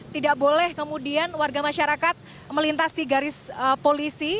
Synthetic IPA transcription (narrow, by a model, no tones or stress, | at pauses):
t̪idaʔbolɛhkəmudianwarɡamaʃaɾakat̪̚ | məlint̪asiɡaɾɪsəpolisi